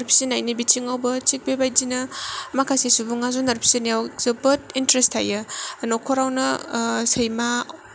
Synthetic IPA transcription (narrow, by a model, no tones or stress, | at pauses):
ɾpʰi̥sinajnibitʰiŋawbɐt͡ʃik̚bebajd͡ʒinɐmakʰasesubuŋazunaɾpʰi̥zinijawzɯbɐt̚intɾestʰa̰jɯnɔkʰɔɾawnɐsɯjma